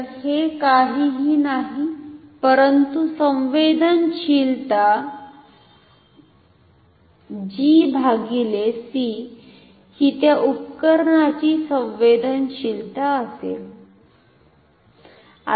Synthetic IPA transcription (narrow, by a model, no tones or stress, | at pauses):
hekaɦiːɦiːnaɦipəɾənt̪usə̃wʋed̪ənɕilt̪a | d͡ʑibʱaɡilesi | hit̪jaʔupkəɾɳat͡ɕiːsə̃ʋed̪ənɕilt̪aəsḛl | a̰